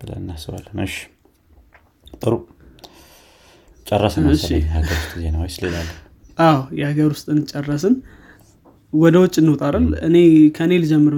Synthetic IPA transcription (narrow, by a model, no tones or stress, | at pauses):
b̥ɨlə̰nːasɨwa̰lnəɨʃi̥ | t̪ʼɨɾu | t͡ʃʼɛrːəsnɨʃːihaɡəɾwust̪ʼizenəwjslelalː | ʔawjɛhaɡəɾwʊst̪ʼɨnt͡ʃʼːɛrːəsɨn | wɔd̪əwɔt͡ʃʼːɨnːot̪ʼaɾalɨ̰ne̞kʰəɨnelɨd͡ʒɛmːɨɾ